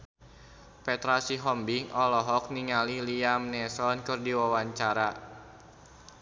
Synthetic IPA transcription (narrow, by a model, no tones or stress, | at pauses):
pɛt̪ɾasiɦɔmbiŋʔɔlɔɦɔk̚niŋaliliamnɛsɔnkɨrdiwawaɲt͡ʃaɾa